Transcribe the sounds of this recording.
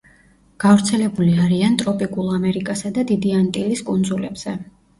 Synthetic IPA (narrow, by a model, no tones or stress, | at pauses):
ɡ̥avɾt̪sʰɛlɛbuliaɾiant̪ʼɾɔpʼikʼulˠamɛɾikʼasad̪ad̪id̪iant̪ʼiliskʼund̪zulɛbz̥ɛ